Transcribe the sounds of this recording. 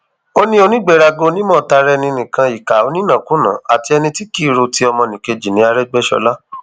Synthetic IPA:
o˦nĩ˦o˧nĩ˦ɡ͡bɛ˦˨ɾa˧ɡo˧nĩ˦mɔ̃˦˨ta˧ɾɛ˧nĩ˧nĩ˨kã˧i˨ka˨o˧nĩ˦nã˨kũ˦nã̰˨˦a˨ti˧ɛ˧nĩ˧ti˦ki˦˨ɾo˧ti˦ɔ˧mɔ̃˧nĩ˨ke˧d͡ʒi˨nĩ˨˦a˧ɾɛ˦ɡ͡bɛ˦ʃɔ̰˧la˦

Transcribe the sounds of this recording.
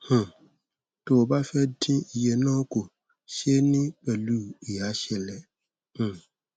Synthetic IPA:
h̩˨ | to˨ba˦fɛ˦dĩ˦i˨jɛ˨nɔ̃˦ko˨ | ʃe˦nɪ̃˦k͡pɛ˨lu˦˨i˨a˨˦ʃɛ˨lɛ˨ | h̩˨

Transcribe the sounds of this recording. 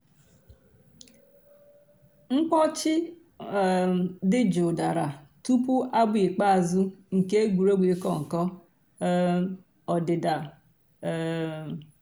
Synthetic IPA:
ŋ̩˦k͡pɔ˦t͡ʃɪ˦ | dɪ˦d͡ʒo˨da˨ɾa˨tu˦pʊ˦ʔa˦bi˨k͡pa˦a˨zu˦ŋ̩˨ke˦ɡʷu˨ɾo˦ɡʷi˨˦kɔ˦˨ŋ̩˨kɔ˦ | ɔ˨dɪ˨da˨˦

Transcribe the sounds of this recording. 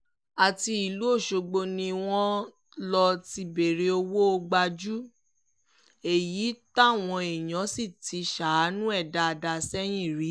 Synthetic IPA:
a˨ti˧i˨lu˨˦o˦˨ʃo˧ɡ͡bo˧nĩ˧w̃ɔ̃˦ | lɔ˧ti˧be˨ɾe˧o˧wo˦o˧ɡ͡ba˧d͡ʒu˦ | e˨ji˨˦ta˦˨w̃ɔ̃˧e˨jã˨˦si˦˨tʰi˨˧ʃa˨˦nũ˦ɛ˦˨da˧˨da˧sɛ˦j̃ĩ˦˨ɾi˨˦

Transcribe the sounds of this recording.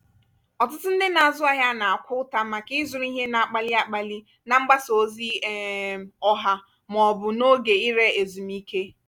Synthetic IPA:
ɔ˨t̬ʊ˦tʊ˦n̩˦dɪ˦na˨a˨zʊ˦a˨ɦja˦na˨a˨kʷʊ˦ta˦ma˨kɪ˦zʊ˨ɾi˦ɦe˦na˨a˨k͡pa˦lɪ˦a˦k͡pa˨li˦ | na˨ŋ͡m̩˦ɡ͡ba˦so˨zi˦ɔ˦ɦa˦ | m˨ɔ˨bʊ˨no˦ɡe˨i˦ɾe˦e˨zu˨m̩˦i˦ke˦

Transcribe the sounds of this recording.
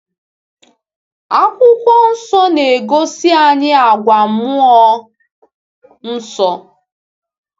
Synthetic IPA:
a˦kʷʊ˦kʷɔ˦n̩˦sɔ˦ne˨ɡo˦si˦a˨ɲɪ˦a˨ɡʷa˨mʊ˦ɔ˦ | n̩˦sɔ˦

